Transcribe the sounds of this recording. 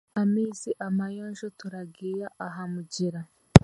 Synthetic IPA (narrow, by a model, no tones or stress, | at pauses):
amiːsiʔamajoːnʒotuɾaɡiːjaʔaɦamuɟiɾa